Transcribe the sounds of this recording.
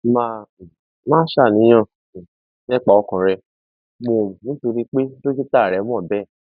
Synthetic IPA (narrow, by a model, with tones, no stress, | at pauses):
ma˦˧˨ | mãː˦ʃa˦˨nĩ˨˦j̃ã˦˨ | nɛ̃˦k͡pa˨ɔ˧kã˨ɾɛ˧ | mo˧˨nĩ˨˦to˧ɾi˦k͡pe˦do˦d͡ʒi˦ta˦˨ɾɛ˨˦m̃˦ɔ̃˦˨bɛ˦˨